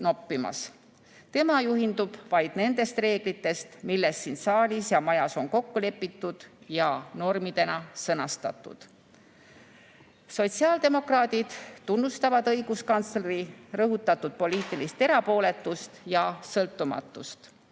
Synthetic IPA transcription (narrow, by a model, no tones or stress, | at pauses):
no̞pːimɑ̰s | t̪e̞mɑjuɦind̪ub̥vɑjd̪̥ne̞nd̪̥e̞st̪re̞ːɡ̥lit̪ːˑe̞st̪milːe̞ssinsɑːlʲisjɑmɑjɑso̞nko̞kːule̞pːit̪ːˑud̪̥jɑno̞rmid̪̥e̞nɑsɤnɑst̪ɑ̰t̪ːˑṵd̪̥ | so̞t̪siɑːld̪̥e̞mo̞krɑːd̪id̪̥t̪ːunːust̪ɑvɑd̪ɤjɡ̥uskɑnt̪sleɾirɤɦut̪ːˑɑt̪ːud̪̥̚po̞liːt̪ːˑilist̪e̞ɾɑpo̞ːle̞t̪ːˑust̪jɑsɤlt̪ːˑumɑ̰t̪ːˑust̪